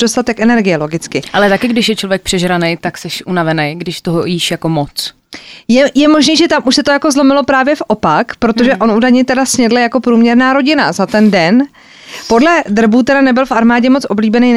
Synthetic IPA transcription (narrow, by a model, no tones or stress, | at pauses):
do̞st̪at̪ɛkʔɛnɛɾɡɪjɛlo̞ɡɪt͡skɪʔalɛt̪akɪɡdɪʃjɛt͡ʃlo̞vjɛk̚pr̥ɛʒɾanejt̪aksɛʃʔunavɛnejɡdɪʃt̪oɦojiːʃjako̞mot͡s | jɛjɛmo̞ʒniːʒɛt̪amʔuʃsɛt̪ojako̞zlo̞mɪlo̞pɾaːvjɛfʔopakpɾo̞t̪o̞ʒɛʔo̞nʔudajɲɛt̪ɛdasɲɛdlɛjako̞pɾuːmɲɛɾnaːɾo̞ɟɪna̰zat̪ɛndɛn | po̞dlɛd̪r̩buːt̪ɛdanɛbɪlfʔaɾmaːɟɛmo̞t͡sʔo̞bliːbɛnej